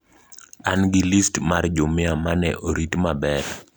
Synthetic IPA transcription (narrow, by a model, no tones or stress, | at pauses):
anɡilistmard͡ʒʊmɪamanɛ̰ʔoɾitmabɛɾ